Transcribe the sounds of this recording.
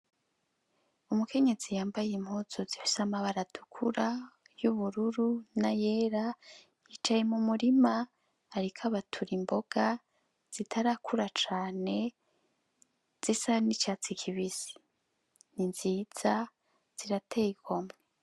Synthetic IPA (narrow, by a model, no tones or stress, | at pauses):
umukʰe̞ɲe̞zijaːmbajim̥hoːz̥ozifi̥samaβaɾadukʰuɾa | juβuɾuɾunaje̞ːɾa | jit͡ʃaje̞mumuɾimaː | ɾikʰaβatʰuɾimbo̞ɡ̥a | z̥itʰaɾakʰuɾat͡ʃaːne̞ | z̥isanit͡ʃaːt͡sikʰiβizi̥ | ninziːz̥a | z̥iɾatʰejikomŋe